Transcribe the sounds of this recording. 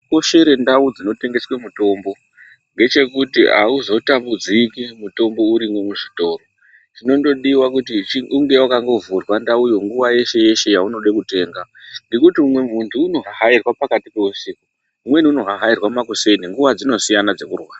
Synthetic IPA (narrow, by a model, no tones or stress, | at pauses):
ko̞ʃe̞ɾe̞ndaud͡zino̞te̞ŋɡe̞swe̞muto̞ːmbo̞ | ŋɡe̞t͡ʃe̞kutḭa̰uzo̞tambud͡zikimuto̞mbo̞uɾimwe̞muʐito̞ːro̞ | tino̞ndo̞ɗiwakut̬it͡ʃuŋɡe̞wakaŋɡo̞vurwandaujo̞ŋɡuʋaje̞ʃe̞je̞ʃe̞jauno̞ɗekute̞ːŋɡa | ndikutiumwe̞muntʰuːno̞ɦaɦairwapakatipeusiko | umwe̞niuno̞ɦaɦairwamakuse̞niŋɡuʋad͡zino̞sijanad͡ze̞kurwaːa